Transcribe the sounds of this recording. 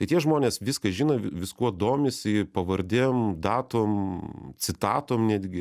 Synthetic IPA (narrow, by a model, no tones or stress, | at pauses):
t̪ɐɪt̪ʲiɛʒmoːnʲeːsʋʲɪskɐʒʲiːnɐʋʲɪskuɔd̪oːmʲesʲɪpɐʋɐɾʲd̪ʲemd̪ɑːt̪oːmt͡s̪ʲɪt̪ɑːt̪oːmnʲæːd̪ʲɡʲɪ